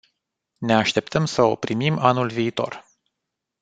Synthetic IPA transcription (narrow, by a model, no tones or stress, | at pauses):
ne̞aʃt̪e̞pt̪əmsəo̰pɾimimanulviːt̪o̞̰r